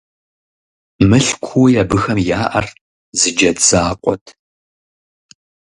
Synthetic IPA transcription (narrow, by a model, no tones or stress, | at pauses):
mɨɬkʷʰujaːbɨxɐmjaːʔɐ̰r | zɨd͡ʒɐdz̥aːqʷʼɔ̰tʰ